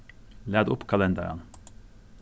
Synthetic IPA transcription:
læːd̪ʊpkʰɑlɛnd̪ɑɾɑ̰n

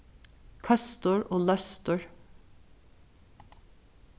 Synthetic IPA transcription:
kʰœst̪əɹoːlœst̪əɹ

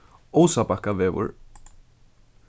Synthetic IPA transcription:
owsapakaʋɛːʋʊ̰ɹ

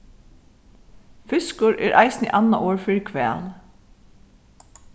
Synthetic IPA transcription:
fʏskʊɹʔɛːɾʔɑ̰ɪsnḭʔanːaʔoːɹfɪɹkʰʋɛ̰ːl

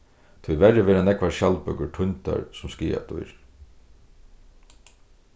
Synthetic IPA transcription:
t̪ʰujʋɛɾɪʋɛːɾanɛkʋaɾʃjalpʏkəʈʰʊnt̪a̰ɹsʊmskiːa̰t̪ʰʊ̰jɾ

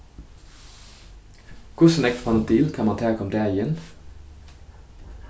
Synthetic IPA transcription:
kʰʊsn̩ɛkt̪pʰɑnɔt̪d̪iːlkʰɑmɑnt̪ʰæːkʰɔmd̪eæːɪjɛn

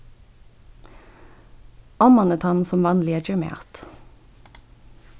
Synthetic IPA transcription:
ɑmɑnət̪ʰɑnsɔmʋɑnlɪət͡ʃœmḛːɑ̰t̪

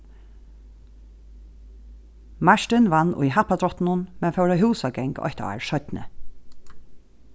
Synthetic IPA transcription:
maʂt̪ɪnʋanːʊ̰jɦapad̪ɾɔht̪nʊnmɛnfɛwɹœɦuːsaɡɛŋkɔ̰çt̪a̰a̰ɹʃœt̪nə̰

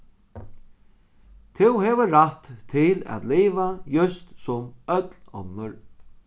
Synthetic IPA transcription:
t̪ʰɪwɦɛːʋəɾat̪ʰːɪlæ̰t̪liːvajʏst̪sʊmœt̪lɔ̰nːəɹ

